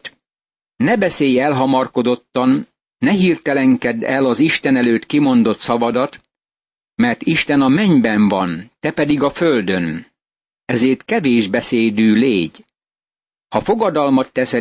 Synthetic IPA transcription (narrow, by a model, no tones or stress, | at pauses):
nɛbɛseːjɛlɦɒmɒrko̞d̪o̞t̪ːɒnː | ɛɦirt̪ɛlɛŋkɛd̪ɛ̰lɒziʃt̪ɛnɛløːt̪kimo̞nd̪o̞t̪sɒvɒd̪ɒt̪ | mɛrt̪iʃt̪ɛnɒmɛɲbɛɱvɒnt̪ɛpɛd̪iɡɒføld̪ø̞n | ɛzeːrt̪kɛveːʒbɛseːd̪yːleːɟ | hɒfo̞ɡɒd̪ɒlmɒt̪ːɛsɛ